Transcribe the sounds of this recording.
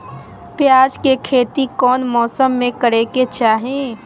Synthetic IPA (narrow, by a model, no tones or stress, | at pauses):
pjaːd͡ʒkekʰeːt̪ikɔːnmɔːsəmːẽkəɾeket͡ʃaːɦẽ